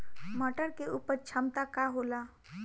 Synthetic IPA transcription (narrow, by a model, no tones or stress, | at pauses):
məʈəɽkeuːpəɾt͡ʃʰəmt̪akaɦola